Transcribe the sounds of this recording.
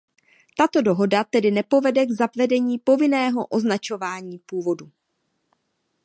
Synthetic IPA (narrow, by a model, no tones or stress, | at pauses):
t̪at̪o̞do̞ɦo̞dat̪ɛdɪnɛpo̞vɛdɛɡzapvɛdɛɲiːpo̞vɪnɛːɦo̞ʔo̞znat͡ʃo̞vaːɲiːpuːvo̞du